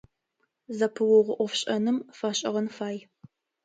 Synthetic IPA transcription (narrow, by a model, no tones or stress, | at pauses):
zɐpʰɨwɔʁʷʊʔʷɔfɕʼɐnɨmfɐɕʼɐ̰ʁɐnfaːj